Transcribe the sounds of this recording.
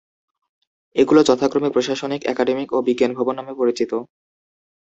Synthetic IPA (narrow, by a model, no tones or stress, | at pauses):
eɡulot͡ɕɔt̪ʰakɾomepɾoʃaʃonikɛkaɖemikobiɡenbʱɔbonːamepoɾit͡ɕit̪o